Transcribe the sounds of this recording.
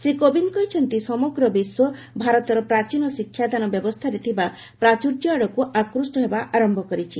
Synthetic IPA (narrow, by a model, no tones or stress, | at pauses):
sɾikobinkɔjt͡ʃʰɔnt̪isɔmɔɡɾɔbiswɔ | bʱaɾɔt̪ɔɾɔpɾat͡ʃinɔsikʰːjad̪anɔbjɔbɔst̪ʰaɾet̪ʰiba | pɾat͡ʃuɾd͡ʒɔaɽɔkuʔakɾusʈɔɦebaʔaɾɔmbʱɔkɔɾit͡ʃʰi